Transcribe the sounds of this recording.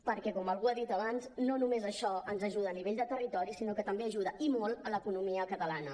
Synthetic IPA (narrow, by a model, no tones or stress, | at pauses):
pəɾkɛkɔməlˠɣuaðit̪əβanznonumezəʃɔənzəʒuð̞əːniβ̞eʎd̪ət̪ərit̪ɔɾisinokət̪əmbeəʒuðəʔimolˠələkunumiəkət̪əlanə